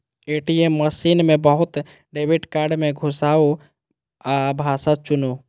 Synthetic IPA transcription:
eːʈiemːəsiːnmẽbəɦʊt̪ | ɖeːbɪʈkaːɾɖmẽɡʱʊsaːo | abʱaːsat͡ʃʊno

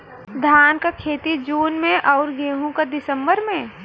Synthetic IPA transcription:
d̪ʱaːnkakʰeːt̪id͡ʒuːnmẽʔɔːɾɡeːɦũkad̪ɪsə̃mbəɾmẽ

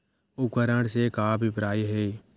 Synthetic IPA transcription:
ʊkəɾəɽsekaːbʱipɾaːiɦeː

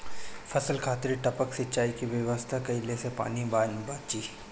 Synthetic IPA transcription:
fʰɐsəlkʰaːt̪ɾiʈɐpəksɪtːt͡ʃaːikiʋɐʋəst̪ʰakɐilesepa̰ːnibaːnbaːt͡ʃiː

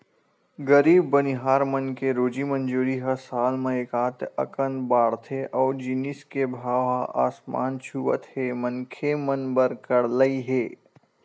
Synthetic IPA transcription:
ɡəɾiːbːəniɦaːɾmɐnkeɾoːd͡ʒimɐ̃nd͡ʒoːɾiɦɐsaːlmẽeːkaːt̪ɐ̰kənbaːɽt̪ʰeʔɔːɾd͡ʒiniskebʱaːʋaa̰ːsma̰ːnt͡ʃʰuʋə̰t̪hemɐnkʰemɐnbəɾkɐɽləiɦeː

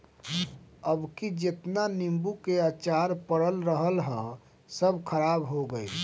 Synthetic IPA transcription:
əbkid͡ʒet̪nanimbukeat͡ʃaɾpəɽəlɾəɦəlɦə̃ | səbʱkʰəɾabɦoɡəi

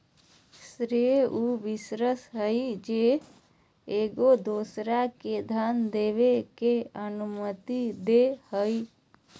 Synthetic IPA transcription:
sɾeuʋɪsɾəsɦəjd͡ʒe | eɡod̪oːsɾaked̪ʱand̪eːʋekeənumət̪id̪ehəi

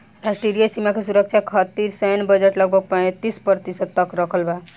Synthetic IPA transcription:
ɾasʈeɾijəsimakesuɾəkt͡ʃʰakʰət̪iɾsəjnbəd͡ʒeʈləɡ̚bʱʌɡ̚pə̃t̪ispəɾt̪isəd̪̚t̪ːəkɾʌkʰəlba

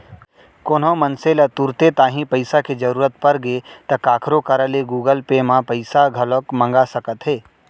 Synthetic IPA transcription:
koːnɦõmɐnselət̪uɾt̪et̪aːɦĩpɐɪsaked͡ʒɐɾuːɾət̪pɐɾɡet̪ɐkaːkʰɾokəɾəleɡuːɡəlpemãpɐɪsaɡʱɐlokmɐ̃ŋɡasɐkət̪ɦeː

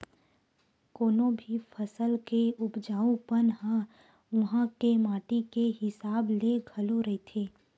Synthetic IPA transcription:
koːnõbʱifʰɐsəlkeʊbd͡ʒaːũpənɦã | ʋɐɦãkemaːʈikeɦɪsaːbleɡʱɐloɾɐet̪ʰeː

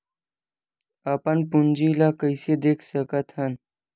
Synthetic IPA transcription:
apɐnpund͡ʑilaːkəjsed̪ekʰsɐkɐt̪ʰɐn

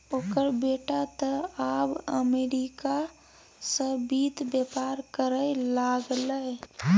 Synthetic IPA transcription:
oːkəɾbeːʈat̪əaːbəmeːɾika | səbiːt̪bjepaːɾkəɾəlaːɡləe

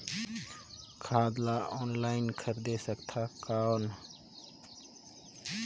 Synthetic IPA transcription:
kʰaːd̪laʔɔːnlaːɪnkʰəɾd̪eːsəkt̪ʰaːkan

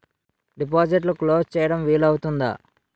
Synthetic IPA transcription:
ɖip̬aːd͡ʒiʈ̬luklo̞ːst͡ʃɛːjɐɽɐmʋiːlɐwut̪und̪ɐ̰

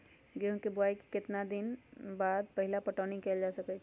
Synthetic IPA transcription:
kjõːkebʊaːiki̥kɪt̪nad̪ɪnbaːd̪̚pɛɦɪlapɐʈaːnĩkɛld͡ʒaːsɐkɛt͡ʃʰ

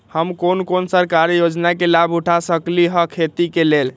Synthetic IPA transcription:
həmkonkonsəɾkaɾjod͡ʒnakelabʱuʈʰasəkliɦəkʰet̪ikelel

